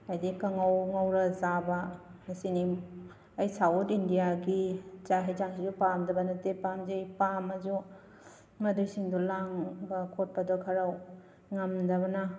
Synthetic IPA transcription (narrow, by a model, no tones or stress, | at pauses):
ajdikɐŋawŋɐwɾɐzabɐmɐsini | ɐjsawtindijaɡit͡ʃaɦejzaŋsizupamdɐbɐnɐtepamzejpamɐzu | mɐdujsiŋdulaŋbɐkʰot̚pɐdɔkʰɐɾaw | ŋɐmdɐβɐnɐ